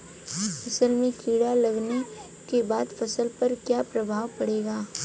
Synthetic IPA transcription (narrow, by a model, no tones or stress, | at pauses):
fɐsəlmẽkʰiːɽalɐɡne | kebaːd̪fɐsəlpɐɾkjaːpɾɐbʱaːwpɐɽeːɡaː